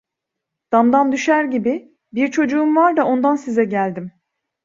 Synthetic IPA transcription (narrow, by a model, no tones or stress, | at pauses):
d̪̥amd̪and̪yʃæɾɟibɪ | biɾt͡ʃʰo̞d͡ʒuumvaɾd̪ao̞nd̪ansizɛɟælʲd̪im